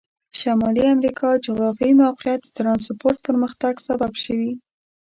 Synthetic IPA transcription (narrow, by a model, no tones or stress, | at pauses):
ʃamɑliamɾikʰɑd͡ʒʊɣɾɑfimawqɪjat̪̚ət̪ɾɑnspoɾt̪̚pəɾməxt̪aɡsababʃəwi